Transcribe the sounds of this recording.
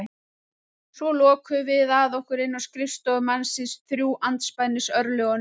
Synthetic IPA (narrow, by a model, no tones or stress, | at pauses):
svɔlɔːkʰʏvɪðaðɔhkʏɾɪnːawskɾɪfst̪ɔɣʏmansɪsθɾjuːʔant̪spajnːɪsœɾlœɣɔn